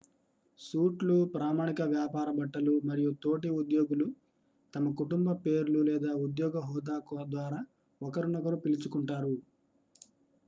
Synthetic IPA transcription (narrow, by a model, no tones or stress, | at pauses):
suːʈlupɾaːmaːɳikɐʋjaːpaːɾɐbɐʈːɐlumɐɾijut̪o̞ːʈ̬iud̪joːɡulu | t̪ɐmɐkuʈumbɐpe̞ːɾululɛːd̪aːud̪jɔːɡɐɦɔːd̪aːkɔːd̪ʋaːɾaː | ɔkɐɾunɔkɐɾupilit͡ʃukuɳʈaːɾu